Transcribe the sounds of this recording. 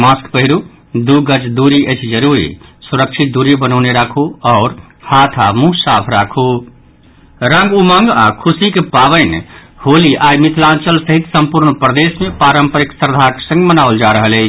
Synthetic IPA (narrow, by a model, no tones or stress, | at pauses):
maskpəɦiɾu | d̪uɡəd͡ʒd̪uɾiʔət͡ʃʰd͡ʒəɾuɾḭsuɾəkʃʰit̪̚d̪uɾibənəʊneɾakʰuɔːɾ | hat̪ʰamũsapʰɾakʰu | ɾəŋɡuməŋɡakʰusikepabəɪn | holiʔajmit̪ʰlãnt͡ʃəlsəɦit̪səmpuɾnpɾəd̪esmepaɾəmpəɾiksəɾd̪ʱake̥sə̃ŋɡmənawld͡ʒaɾəɦəle